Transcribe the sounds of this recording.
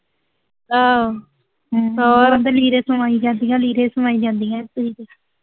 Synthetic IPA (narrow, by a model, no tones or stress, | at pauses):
a | ɔːɾənd̪eliːɾeːsəmaːiːd͡ʒãːnd̪iːãːliːɾẽːsəmaːĩːd͡ʒãːnd̪iːãːt̪ːəiːd̪e